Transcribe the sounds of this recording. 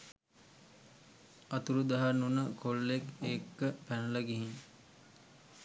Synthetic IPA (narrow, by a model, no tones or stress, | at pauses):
at̪uɾud̪aɦanunəkʰolːekekːəpænələɡiɦiŋ